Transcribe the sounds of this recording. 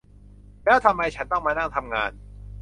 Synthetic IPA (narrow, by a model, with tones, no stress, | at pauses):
lɛː˦˥wt̪ʰa˧mːa˧jt͡ɕʰa˦˥nt̪ɔ˥˩maː˧na˥˩t̪ʰa˧mŋaː˧n